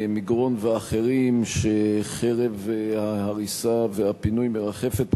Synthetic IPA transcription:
miɡʁo̞nveaχeʁimʃeχeʁevhahaʁisavehapinujmeʁaχe̞fet̪

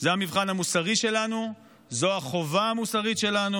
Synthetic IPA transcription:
zeamivχanamusaʁiʃe̞lanu | zoaχo̞vaamusaʁitʃe̞lanu

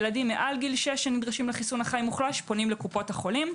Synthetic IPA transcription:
ladimːeʔalɡilʃeʃenid̪ʁaʃimleχisunaχajmuχlaʃpo̞nimlekupo̞thaχo̞lim

